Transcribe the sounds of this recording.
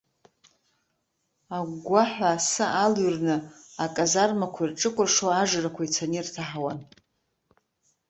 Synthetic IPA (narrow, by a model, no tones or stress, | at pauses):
aɡʷaħʷaːsɨʔalɥrnɨakʼazarmakʷʰairʈ͡ʂʼɨkʷʼʊrʂoaʒrakʷʰait͡sʰanirtʰaħawan